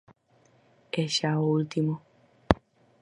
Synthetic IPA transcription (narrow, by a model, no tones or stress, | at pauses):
ɛʃaoult̪imɔ